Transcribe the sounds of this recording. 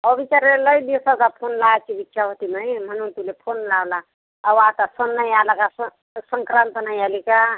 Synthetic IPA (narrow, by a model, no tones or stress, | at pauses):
ʌbit͡ʃaɾlelʌjd̪isat̪apʰonlat͡ʃʰibitːʃʰaɦot̪iməjm̤ʌnunt̪ulepʰonlawlaː | bat̪asonːajalakas | səŋkɾant̪ənajalika